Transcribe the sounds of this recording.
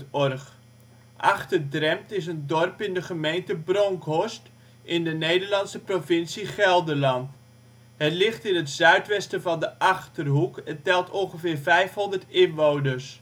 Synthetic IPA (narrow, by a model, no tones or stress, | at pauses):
ɔrχ | ʔa̰χtədrɛmtɪs̬əndɔrpɪndəχəmejntəbroŋkʰɦɔst | ʔɪndənejdərlɑnsəprovɪnsiχɛlˠdərlɑnt | hətlɪχtɪnətz̥œɥtʋɛstəvɑndəʔɑχtərɦukətɛlˠtʰɔnχəvɪːrvɛjfhɔndərtɪnʋownəs